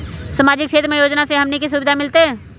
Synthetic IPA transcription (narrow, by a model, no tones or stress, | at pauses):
samaːd͡ʒɪkʃʰeːt̪ɾəmẽjoːd͡ʒnaseɦɐmnikisubɪd̪ʱamɪlt̪eɦɛ̃ː